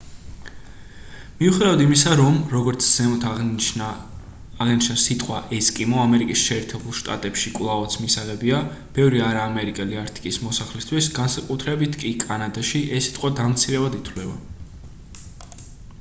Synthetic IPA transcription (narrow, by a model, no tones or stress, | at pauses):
miuχid̪avad̪imisaɾɔmɾɔɡɔɾt̪sʰz̥ɛmɔt̪ʰ | aʁnit͡ʃʰnasit̪ʼqʼwa̰ʔɛskʼimɔamɛɾikʼisʃɛːɾt̪ʰɛbulˠʃt̪ʼa̰t̪ʼɛpʃikʼlˠavat̪sʰmisaʁɛbiab̥ɛvɾiaɾaːmɛɾikʼɛliaɾt̪ʼi̥kʼismɔsaχlist̪ʰwisɡansakʼut̪ʰɾɛbit̪ʰkʼikʼanad̪aʃiʔɛsːi̥t̪ʼqʼwad̪amt̪sʰiɾɛvad̪it̪ʰwlɛba̰